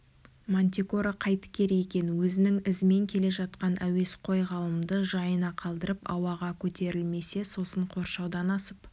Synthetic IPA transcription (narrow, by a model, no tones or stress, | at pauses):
monʲt̪ʲiko̞ɾaqʰɑjt̪ə̥kʲʰe̞ɾjekʲe̞nwɵzɪnɪŋɪzme̞ŋkʲʰe̞le̞ʒɑt̪qɑnʔæwe̞sqʰo̞jʁɑlˠəmd̪əʒɑjənɑqʰɑlˠd̪əɾəpɑ̰wɑʁɑkʲʰɵt̪e̞ɾɪlme̞se̞so̞səɴqʰo̞ɾʃɑwd̪ɑnɑsəp